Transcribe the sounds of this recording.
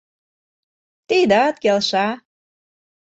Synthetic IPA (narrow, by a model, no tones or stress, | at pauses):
t̪id̪ɑt̪kelʃɑ